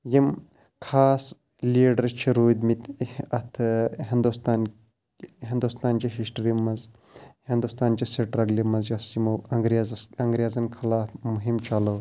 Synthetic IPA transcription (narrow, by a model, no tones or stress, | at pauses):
jim | kʰaːs | liːɖɐɾt͡ʃʰiɾuːd̪mit̪ɐt̪ʰɦind̪ust̪aːn | ɦind̪ust̪aːnt͡ʃiɦisʈɾimɐz | hind̪ust̪aːnt͡ʃiseʈɾɐɡlimɐzjɐst͡ʃimɐŋɡɾazɐŋɡɾjaːzɐnkʰɐlaːfmuɦimt͡ʃɐlɐw